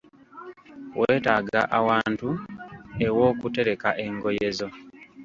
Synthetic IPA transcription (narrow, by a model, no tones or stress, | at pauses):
wʔeːtaːɡa̰ʔawaːntu | e̞wo̞ːkute̞ɾe̞kaʔe̞ŋɡo̞je̞zo̞